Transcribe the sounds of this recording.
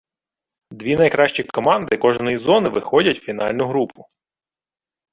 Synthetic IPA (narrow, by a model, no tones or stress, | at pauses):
d̪ʋʲinɐjkɾɑʃt͡ʃikɔmɑnd̪ɪkɔʒnɔjizɔnɪʋɪxɔdʲɐtʲfʲin̪ɑ̰lʲnʊɦɾupʊ